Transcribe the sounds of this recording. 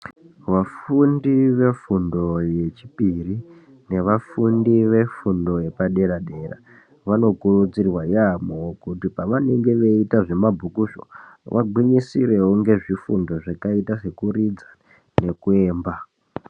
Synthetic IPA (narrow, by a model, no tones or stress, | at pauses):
ʋafundiʋe̞fundo̞je̞t͡ʃipiri | ne̞ʋafundiʋe̞fundo̞je̞paɗe̞ɾaɗe̞ra̰ | ʋano̞kurud͡zirwajamookutipaʋane̞ŋɡe̞ʋe̞itaʐe̞mabʱukuʃo̰ʋʔa̰ɡwiɲisire̞woŋɡe̞ʐifundo̞ʐakaitase̞kurid͡za | ne̞kue̞ːmba